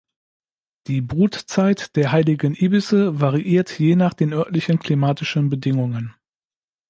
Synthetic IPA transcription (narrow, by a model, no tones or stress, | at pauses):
d̥iːbʁuːtt͡saɪtd̥eːɐɦaɪlɪɡən̩ʔiːbɪsəvaʁiʔiːɐtʰjeːnaːχd̥eːnʔœɐtlɪçənkʰl̥imaːtɪʃənbədɪŋʊŋən